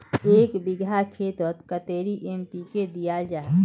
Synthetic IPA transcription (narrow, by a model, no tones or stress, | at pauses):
eːkbɪɡʱakʰeːt̪ət̪kət̪eːɾiʔempiked̪ijad͡ʒaːɦ